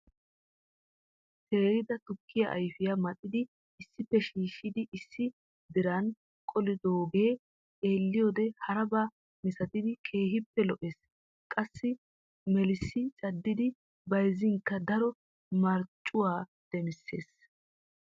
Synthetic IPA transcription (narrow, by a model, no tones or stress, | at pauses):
se̞ːɾɪd̪ɐt̪ʊkʰːɪja̰ʔɐ̰jfɪjamɐt̪ʼɪd̪ɪ | ɪsːɪpːɛʃiːʃːɪd̪ɪʔɪsːɪ | d̪ɪɾɐn | kʼɔlɪd̪oːɡe̞ː | eːlːɪjoːd̪ɛhɐɾɐbaː | mɪsɐt̪ɪd̪ɪkʰe̞ːɦɪpːɛlɔʔeːs | kʼɐsːɪ | mɛlɪsːɪt͡ʃʼɐd̪ːɪd̪ɪ | bɐjzɪŋkːɐd̪ɐɾɔ | mɐɾt͡ʃʼːʊwaː | d̪̥ɛmɪsːe̞̰ːs